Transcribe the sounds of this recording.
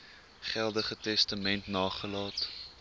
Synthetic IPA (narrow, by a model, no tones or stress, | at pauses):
χɛlˠdəχətɛstəmɛntnɑːχəlɑːt